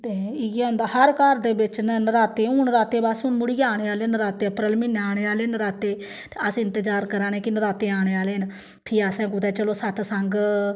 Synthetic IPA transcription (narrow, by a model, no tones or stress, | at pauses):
t̪eːɪɡʊnd̪aːhəɾkəɾd̪eːbɪt͡ʃnnəɾaːt̪eːuːnɾaːt̪eːbaːsʊnmʊɽiːaːɽ̃eːaːleːnɾaːt̪eːəpɾəlmɪnːaːɽ̃eːaːleːnɾaːt̪eː | t̪eːəsɪnt̪əd͡ʒaːɾkəɾãːneːkɪnəɾaːt̪eːaːɽ̃eːaːleːɦən | pʰiːaːsɛ̃ːkud̪ɛːt͡ʃəloːsət̪ʰsəŋɡ